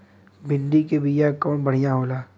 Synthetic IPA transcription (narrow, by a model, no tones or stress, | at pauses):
bɪ̃nd̪ikebijakɔːnbɐɽ̤ijãɦoːlaː